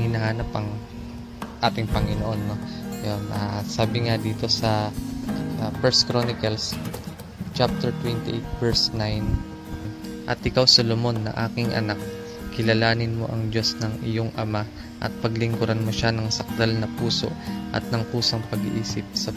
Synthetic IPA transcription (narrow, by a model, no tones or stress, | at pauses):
ɪnɐhaːnɐpʔɐŋ | ʔaːt̪ɪŋpɐŋɪnoʔo̞nːojonʔasaːbɪŋad̪iːt̪o̞sɐ | pɛɹskɾonɪkɐls | t͡ʃap̚t̪ɛɹt̪wɛnt̪ɪʔejt̪̚vɛɹsnajn | ʔɐt̪ʔɪkawsɐlomo̞nːɐ̰ʔa̰ːkɪŋʔɐ̰nak̚ː | ɪlɐlaːnɪnmo̞̰ʔɐŋd͡ʒo̞snɐŋʔɪjoŋʔɐma | ʔɐ̰t̪̚pɐɡlɪŋɡʊɾanmoʃanɐŋsɐk̚d̪alnɐpuːso̞̰ʔʔɐ̰t̪̚nɐŋpuːsɐŋpɐɡɪ̰ʔiːsɪp̚sɐ